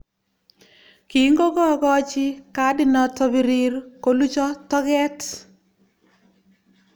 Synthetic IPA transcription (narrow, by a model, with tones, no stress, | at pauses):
ki˨ŋɡo˦ɡɔ˦ɡɔ˦t͡ʃɪ˦ka˨˦dɪ˦˨nɔ˨tɔ˦bi˨ɾi˦ɾko˨lu˦t͡ʃɔ˦tɔ˦ɡɛ˦t